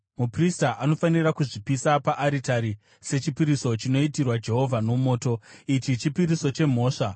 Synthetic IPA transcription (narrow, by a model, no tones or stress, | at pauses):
mupristaʔano̞fanirakuʐipisapaʔːɾitaɾi | se̞t͡ʃipiɾiso̞t͡ʃino̞itirwad͡ʒe̞ɦo̞vʱano̞mo̞ːto̞it͡ʃit͡ʃipiɾiso̞t͡ʃe̞m̤o̞ːʂa